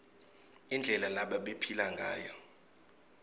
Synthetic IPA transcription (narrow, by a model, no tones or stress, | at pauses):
ind͡ɮʱɛlalaɓaɓepʰilaŋɡʱaːjɔ